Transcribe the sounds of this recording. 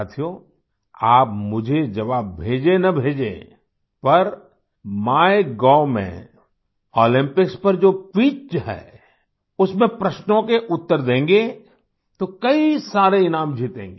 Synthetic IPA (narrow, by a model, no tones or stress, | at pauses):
at̪ʰijoː | aːp̚mʊd͡ʒʱed͡ʒɐʋaːbbʱeːd͡ʒenɐbʱeːd͡ʒḛ | pɐɾ | maːjeɡɔːmḛ̃ | ɔːlɪ̃mpɪkspɐɾd͡ʒoːpiːt͡ʃɦɛ̰ː | ʊsmẽpɾɐʃnõkeʔʊt̪ːəɾd̪ẽːŋɡe | t̪okɐisaːɾeɪnaːmd͡ʒʱiːt̪ḛ̃ːŋɡe